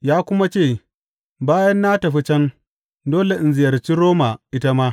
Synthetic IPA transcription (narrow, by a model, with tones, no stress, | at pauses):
jaː˦kʷʊ˦ma˦t͡ʃeː˦˨ | baː˦jɐ˦nːaː˦tɐ˨ɸi˦t͡ʃɐ˦n | doː˦le˨ʔɪ˨nzɪ˨jɐ˨rt͡ʃi˦ɾoː˦ma˨ʔɪ˦ta˦maː˦